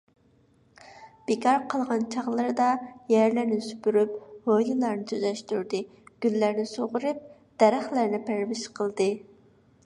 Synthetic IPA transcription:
b̥ekʰɑɾqʰəlˠʁɑnt͡ʃʰɑʁlˠɨɾd̪ɑjæɾlæɾnɪsy̥pyɾyphojlˠɨlˠɑɾnɨt̪ʰyzɛʃt̪yɾd̪ɨ | ɡ̥ʲylːæɾnɪsoʁʊɾɨp̚ | d̪̥ɛɾæχlæɾnɪpʰæɾvɪʃqʰəlˠd̪ɨ

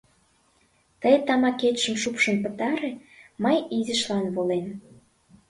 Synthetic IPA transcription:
t̪əjt̪ɑmɑket̪ʃə̆mʃupʃə̆npət̪ɑɾeməjizəʃlɑnβolen

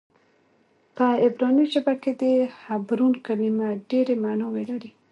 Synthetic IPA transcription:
pəɪbɾɑnit͡ʃabaked̪əhabɾunkalimaɖeɾemanɑwelaɾi

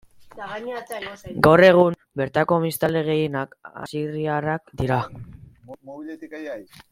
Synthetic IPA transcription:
ɡawre̞ɣ̞um | be̞ɾt̪ako̞mist̪ald̪e̞ɣ̞e̞jenaka̰siriarak̚d̪iɾa | ilt̪ijj

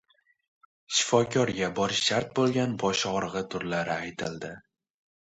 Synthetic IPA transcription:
ʃɪ̥fɒkʲʰɒɾɡʲabɒɾʃaɾt̪̚bolˠɡʲanbɒʃɒʁɾʁɨt̪ʰʊɾlaɾɪajt̪ʰɪld̪ɪ

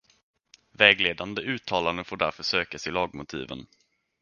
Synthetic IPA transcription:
vɛːɡleːd̪and̪əʉ̟ːt̪ʰːɑːland̪əfoːɖæɾfœʂøːkasɪlɑːɡmʊt̪ʰḭːvə̰n

